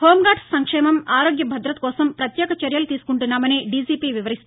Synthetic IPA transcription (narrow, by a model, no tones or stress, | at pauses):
hoːmɡaːʈsɐŋkʂɛːmɐmaːɾoːɡjɐbʱɐd̪ɾɐt̪̚kɔːsɐmpɾɐt̪jɛːkɐt͡ʃɐɾjɐlut̪iːsu̥kuɳʈunːaːmɐniːɖisiːpiːʋiʋɐɾist̪u